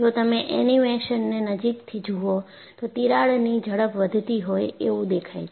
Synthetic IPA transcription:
d͡ʒot̪əmeʔɛnimeʃənːenəd͡ʒikt̪ʰid͡ʒuo | t̪ot̪iɾaɭnid͡ʒʱəɽəpʋəd̪ʱt̪iɦojeʋũd̪ekʰajt͡ʃʰ

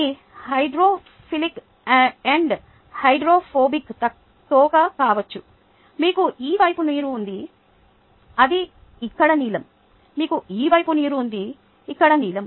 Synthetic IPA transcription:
i | hɐjɖɾoː | pʰilik | eɳɖ | hɐjɖɾoːpʰoːbikt̪ɐ | t̪ɔːkɐkaːʋɐt͡ʃːu | miːkuʔiːʋɐjpuniːɾuːnd̪i | ɐd̪i | ikːɐɽɐniːlɐm | miːkuiːʋɐjpuniːɾuːnd̪iː | kːɐɽɐniːlɐm

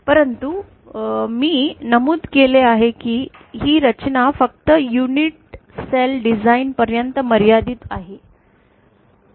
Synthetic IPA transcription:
pəɾənt̪u | miːnəmuːd̪keleaɦekiː | ɦiːɾət͡ɕnafək̚t̪əjuniʈ̚selɖid͡zainpəɾjənt̪əməɾjad̪iːt̪aɦe

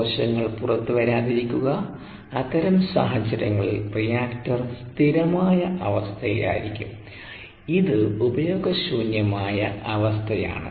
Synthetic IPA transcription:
ɕɐŋːɐɭpurɐt̪ːɨʋɐɾaːðiɾikʲːuɣɐː | t̪ːɐɾɐmsa̰ːɦɐt͡ɕːɐɾɐŋːɐɭirijaːktɐrst̪ʰiɾɐmaːjɐʔɐʋɐst̪ʰɐjḭla̰ːjiɾikʲːum | iðɨubɐjo̞ːɡɐɕuːnjɐmaːjɐɐʋɐst̪ʰɐja̰ːɳɨ̰

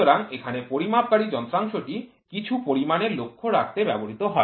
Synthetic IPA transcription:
oɾaŋekʰanepoɾimab̚kaɾid͡ʑɔnt̪ɾaŋʃoʈi | kit͡ɕʰupoɾimaneɾlokʰːoɾakʰt̪ebɛboɾit̪oɦɔe

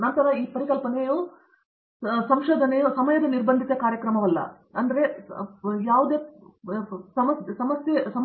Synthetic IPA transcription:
nɐnt̪ɐɾɐiːpɐɾikɐlpɐnejoː | sɐmʃoːd̪ʱɐnejoːsɐmɐjɐd̪ɐniɾbɐnd̪ʱit̪ɐkaːɾjɐkɾɐmɐʋɐlːɐ̰ | ɐnd̪ɐɾe̞ | jaːʋud̪eː | sɐmɐssɐmɐsjɐsɐm

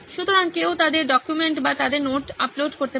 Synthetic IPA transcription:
ʃut̪oɾaŋkeot̪ad̪eɾɖɔkjumeɳʈbat̪ad̪eɾnoʈaploɖkoɾt̪e

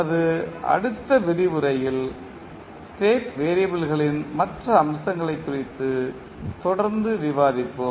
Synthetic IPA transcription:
ɐðɯɐ̰ɽɯt̪ːɐʋɪɾɪʋɯɾɐjɪl | sʈeːʈʋeːɾɪjɐbɪlɣɐɭɪnmɐʈrɐːmsɐŋɡɐɭɐɪpːʊrɪt̪ːɯ | t̪ɔɽɐɾnd̪ɯʋɪʋaːðɪpːɯ

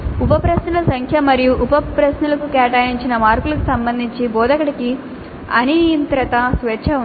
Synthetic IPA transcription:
upɐpɾɐsnulɐsɐŋkʰjɐmɐɾijuʔupɐpɾɐsnulɐkukɛːʈɐːjiɲt͡ʃinɐmaːɾpulɐkusɐmbɐnd̪ʱiɲt͡ʃibɔːd̪ɐkɐʈiki | ɐnint̪ɾɐt̪ɐsʋɛt͡ʃʰːɐu

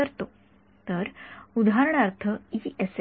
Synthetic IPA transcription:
əɾt̪o | t̪əɾud̪ʱaɾəɳ̃aɾt̪ʰəies

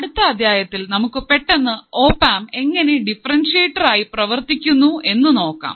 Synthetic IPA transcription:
ɐɽut̪ːɐːd̪ʱjaːjɐt̪ːilnɐmukːɨpe̞ʈːenːɨo̞ːpːaːme̞ŋːɐneɖifɐrɐnʂeːʈːɐraːjiprɐʋɐrt̪ikʲːunːuʔe̞nːɨno̞ːkːa̰ːm

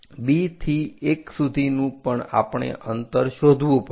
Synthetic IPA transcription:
bit̪ʰieksud̪ʱinũpəɳa̰pɳ̃ḛʔənt̪əɾʃod̪ʱʋũpə

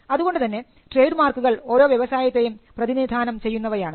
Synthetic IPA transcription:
ɐðuɣo̞ɳɖɨt̪ɐnːe̞ | ʈre̞ːjɖmaːrkːuɣɐɭo̞ːɾo̞ːʋjeʋɐsaːjɐt̪ːe̞jumprɐðinid̪ʱaːnɐmt͡ɕe̞jːunːɐʋɐjaːɳɨ

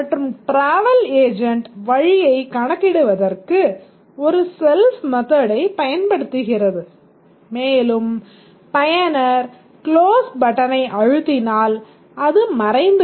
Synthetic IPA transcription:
ɐʈrɯmʈɾaːʋɐleːd͡ʒɐɳʈʋɐɻɪjɐɪkɐɳɐkːɪɽɯʋɐðɐrkɯ | ɔɾɯsɛlsmɐðɐɽɐɪpɐjɐnpɐɽɯt̪ːɯɣɪrɐðɯ | meːlɯm | pɐjɐnɐɾ | kloːsbɐʈːɐnɐɪʔɐɻɯt̪ːɪnaːl | ɐðɯmɐɾɐɪnd̪

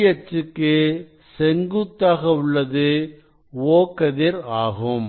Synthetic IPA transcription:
jɐt͡ʃːɯkːɯ | sɛŋɡut̪ːaːɣɐʊɭːɐðɯ | oːkɐðɪɾaːɣɯm

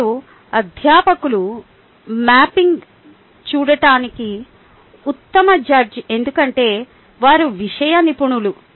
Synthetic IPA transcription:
u | ɐd̪ʱjaːpɐkulu | maːpiŋɡ | t͡ʃuːɽɐʈaːniki | ut̪ːɐmɐd͡ʒɐɾd͡ʒe̞nd̪ukɐɳʈe̞ː | ʋaːɾuʋiʂɐjɐnipuɳulu

